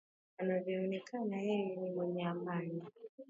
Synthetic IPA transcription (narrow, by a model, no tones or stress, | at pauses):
anavjɔɔnɛkʰanajijinimwɛɲɛamani